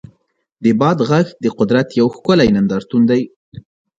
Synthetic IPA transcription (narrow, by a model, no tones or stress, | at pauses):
d̪əbɑd̪ɣaxd̪əqʊd̪ɾat̪jawxkʊlajnand̪ɑɾt̪und̪aj